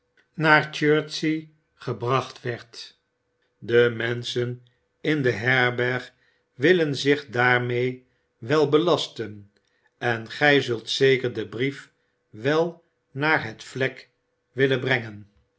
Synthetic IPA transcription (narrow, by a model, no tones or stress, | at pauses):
naːɹt͡ʃøːɹtsi | χəbrɑχtʋɛɹt | dəmɛnsən | ɪndəɦɛɹbɛɹχ | ʋɪlənzɪχdaːɹmej | ʋɛlˠbəlɑstən | ɛnχɛjzɵlˠtsejkəɹdəbrif | ʋɛlˠ | naːɹɦətflɛk | ʋɪlənbrɛŋən